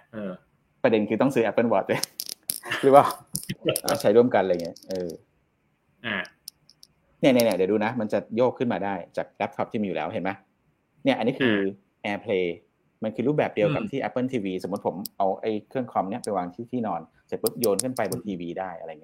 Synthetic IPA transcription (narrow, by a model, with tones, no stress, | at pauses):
ʔɤː˧ | pɾa˧de˧nkʰɯː˧t̪ɔ˥˩ŋsɯː˦˥ʔɛ˦˥pːɤ˥˩nbɔː˨˩t̪̚e˧˩ | ɾɯː˦waː˥˩ʔa̰˨˧˩t͡ɕʰa˦˥jɾu˥˩əmka˧nla˧jŋi˦˥ʔɤː˧ | ʔa˧˩ | ni˥˩n˧ni˧˩dduː˧na˦˥ma˧nt͡ɕa˨˩joː˥˩kʰːɯ˥˩nmaː˧daː˥˩jt͡ɕaː˨˩k̚lɛ˦˥tʰɔ˦˥p̪̚ʰiː˩miː˧juː˨lɛː˦˥wɦe˨˩˦nma˦˥ | ni˥˩ɐʔa˧nːiː˦˥kʰɯː˧ | ʔɛː˧pʰleː˧ | ma˧nkʰɯː˧ɾu˥˩p̚bɛː˨˩p̚di˧əwka˨˩p̚t̪ʰiː˥˩ʔɛ˦˥pːɤ˥˩nt̪ʰiː˧wiː˧so˩˦mu˦˥t̪pʰo˩˦mʔa˧wʔa̰˥˩jkʰɯ˥˩əŋkʰɔ˧mni˥˩ɐpa˧jwaː˧ŋt̪ʰiː˥˩t̪ʰiː˥˩nɔː˧n | sɛ˨˩pɯ˦˥t̪̚joː˧nkʰɯ˥˩˨npa˧jbo˧nt̪ʰiː˧wiː˧daː˥˩jʔa˧ɾa˧jːŋ˦˥˧